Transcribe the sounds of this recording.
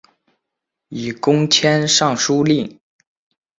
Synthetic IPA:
i˨˩kʊ˥ŋt͡ɕʰjɛ˥nʂɑ˥˩ŋʂu˥li˥˩ŋ

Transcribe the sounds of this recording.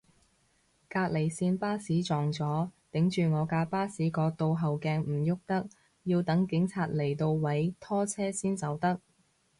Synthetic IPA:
kaː˧k̚le˨˩jsiː˧npaː˥siː˨˥t͡sɔː˨˩ŋt͡sɔː˨˥t̪ɪ˨˥ŋt͡ʃyː˨˩ŋɔː˨˧kaː˧paː˥siː˨˥kɔː˧t̪o˧wɦɐ˨wkɛː˧ŋm̩˨˩jʊ˥k̚t̪ɐ˥k̚ | jiː˧wt̪ɐ˨˥ŋkɪ˨˥ŋt͡sʰaː˧t̚le˨˩jt̪o˧wwɐ˨˥jt̪ʰɔː˥t͡sʰɛː˥siː˥nt͡sɐ˨˧wt̪ɐ˥k̚

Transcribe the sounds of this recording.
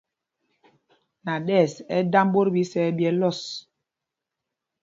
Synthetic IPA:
na˨ɗɛ˦˨sɛ˦da˦mbo˦ɾbi˨˦sɛ˨˦bjɛ˨˦lɔ˦˨s

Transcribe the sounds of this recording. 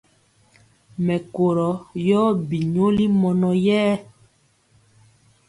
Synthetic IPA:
mɛ˨ko˨ɾɔ˨˦jɔː˦bi˨ɲo˦li˦mɔ˨nɔ˨jɛː˦

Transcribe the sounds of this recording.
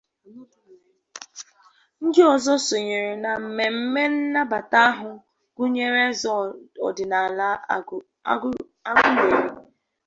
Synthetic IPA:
ŋ̩˦dɪ˦ɔ˨zɔ˦so˨ɲe˨ɾe˨na˨m̩˨me˨m̩˦me˦n̩˦na˦ba˨ta˦a˦ɦʊ˨ | ɡ̥ʊ˦ɲe˦ɾe˦zɔ˦ɔ̰˨dɪ˨na˨l | a˦ɡʊ˦ɲe˨ɾi˨

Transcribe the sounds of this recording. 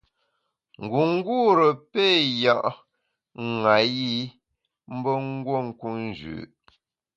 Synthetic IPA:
ŋ̩˨ɡu˨ŋ̩˦ɡuː˦˨ɾə˨pe˦˨ja˨ʔ | ŋa˨ji˦ | m̩˦bə˦ŋ˦ɡwo˦˨ŋ̩˦ku˦n˨d͡ʒʉ̰ː˨

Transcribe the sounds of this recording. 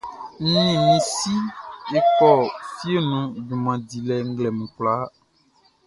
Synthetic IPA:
n̩˦ĩ˨nĩ˨si˦e˦kɔ˦˨fi˦e˦˨nũ˦du˨mã˨di˨lɛ˨ŋ̩˦ɡlɛ˨mũ˨k͡pla˨˦

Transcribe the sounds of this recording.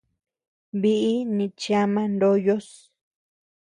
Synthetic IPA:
βi˧ʔi˦nĩ˧t͡ʃa˧mã˧ndo˧jo˦s

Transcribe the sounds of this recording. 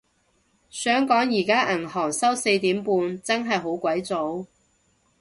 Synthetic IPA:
sœː˨˥ŋkɔː˨˥ŋjiː˨˩kaː˥ʔɐ˨˩nhɔː˨˩ŋsɐ˥wse˧jt̪iː˨˥mpuː˧nt͡sɐ˥nɦɐ˨jɦo˨˥wkʷwɐ˨˥jt͡so˨˥w

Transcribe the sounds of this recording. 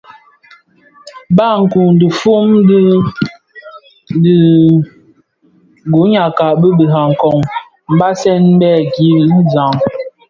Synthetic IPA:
ba˦˨ŋ̩˨ku˨ŋ˨də˨fu˦m˦ | di˨ | ɡu˨˦ɲa˨ka˨bə˦bə˨ɦa˨ŋ̩˨kɔ˨ŋ | m̩˨˦ba˦sɛ˦nm̩˦bɛ˦˨ɡi˦n̩˦za˨ŋ

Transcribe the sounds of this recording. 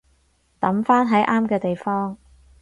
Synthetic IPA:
t̪ɐ˨˥mfaː˥nɦɐ˨˥jʔaː˥mkɛː˧t̪e˨jfɔː˥ŋ

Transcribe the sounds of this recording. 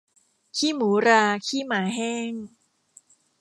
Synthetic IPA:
kʰiː˥˩muː˩˦ɾaː˧kʰiː˥˩maː˩˦ɦɛː˥˩ŋ

